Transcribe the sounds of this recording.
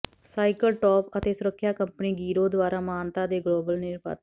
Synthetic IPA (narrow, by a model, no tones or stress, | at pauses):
saːɪkəlʈɔːpət̪eːsʊɾəkʰːjaːkəmpəniːɡiːɾoːd̪ʋaːɾaːmaːnt̪ãːd̪eːɡloːbəlnɪɾpa̰ːt̪